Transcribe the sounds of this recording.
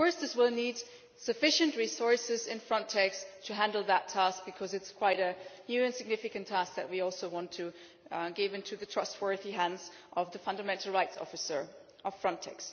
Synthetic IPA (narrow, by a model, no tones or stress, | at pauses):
fɔɹsðɪswɪlˠnid | sɨfɪʃɨ̃nʔɹisɔɹsɪzɪ̃nfɹʌ̃ntʰɛkstʰɨɦæ̃ndˡl̩ˠðətʰːæsk̚b̥ɨkʰʌzɨtskʰw̥aɪɾɨnjʉɨ̃nsɨɡ̚nɪfɨkɨ̃ntʰæsk̚ðɨ̰t̚wiɔlˠsoʊwɑ̃ntʰɨ | ɡɪvɪ̃ntʰʉðɨtʰɹ̥ʌst̚wɜ˞ðiɦæ̃ndzʔʌvðɨfʌ̃ndəmɛ̃ntʰˡl̩ˠɹaɪtsɔ̰fɨsə˞ | ʔʌv̥fɹʌ̃ntʰɛ̰ks